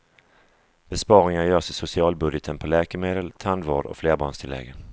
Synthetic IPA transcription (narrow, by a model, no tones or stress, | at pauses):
b̥ɛspɑːɾɪŋaɾjœːsɪsʊsɪɑːlbɵd̪jət̪ʰənpʰɔlɛːkəmeːd̪əlt̪ʰand̪vɑːɖɔ̰fleːɾbɑːɳst̪ʰɪlːɛ̰ɡə